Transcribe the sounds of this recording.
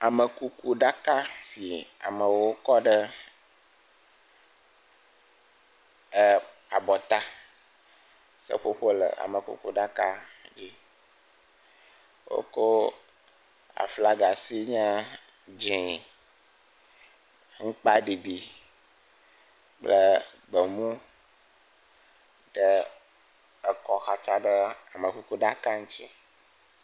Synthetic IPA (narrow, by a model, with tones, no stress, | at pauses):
a˨mə˨ku˦ku˦ɖa˦ka˦si˨a̰˨mə̃˨wo˦kɔ˦ɖə˦ | ə˦ | a˨bɔ˨t̪a˦ | sə̰˦ɸo˦ɸo˦lə̰˨a̰˨mə˨kṵ˦ku˦ɖa˦ka˦d͡ʑi˦ | wo̰˦ko˦ | a̰˨fla˦ɡa˨si˦ɲɛ̃˦ | d͡ʒĩ˨ | ŋ̩˦k͡pa˦ɖi˨ɖi˨ | k͡plə˦ | bə˨mũ˦ | ɖə˦ | ə˦kɔ˦xa˨t͡ʃa˦ɖə˦a˨mə˨ku˦ku˦ɖa˦ka˦ŋũ˦t͡ɕi˦